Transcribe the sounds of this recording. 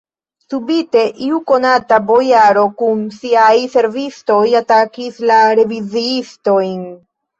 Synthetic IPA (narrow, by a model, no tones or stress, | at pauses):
subite̞ʔiuko̞natabo̞jaɾo̞kunsiajse̞ɾvisto̞jatakislaɾe̞viziisto̞jn